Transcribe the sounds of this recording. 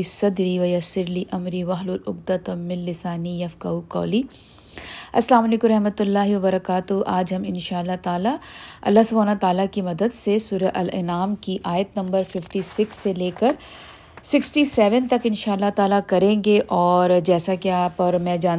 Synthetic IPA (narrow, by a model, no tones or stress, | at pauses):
isɐd̪ɾiːʋɐjɐsɪɾliʔɐmɾiʋɐɦlulʊɡ̚d̪ɐt̪ɐmɪlːɪsaːnijɐfkɐukɔ̰ːli | ɐslaːmɐleːkʊ̃mɾɐɦmɐt̪ʊlːaːɦiʋɐbɐɾɐkaːt̪ʊɦʔaːd͡ʒɦɐmɪnʃaːɐlːat̪aːlaɐ̰lːaːɦsʊbʱaːnat̪aːlakimɐd̪əd̪sesuːɾɐʔɐlɪ̰naːmkiʔaːjət̪nɐ̃mbəɾfɪfʈiːsɪksːeleːkɐɾ | sɪksʈiːsɛːʋənt̪ɐkɪ̃nʃaːɐlːat̪aːlakɐɾẽːŋɡeʔɔːɾd͡ʒɛːsakiaːpɔɾmɛ̃d͡ʒaː